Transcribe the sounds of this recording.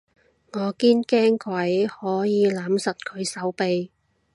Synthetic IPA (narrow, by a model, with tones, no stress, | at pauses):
ŋɔː˨˧kiː˥nkɛː˥ŋkʰwɐ˨˥jhɔː˨˥jiː˨˧laː˨˥msɐ˨t̚kʰɵ˨˧ɥsɐ˨˥wpe˨j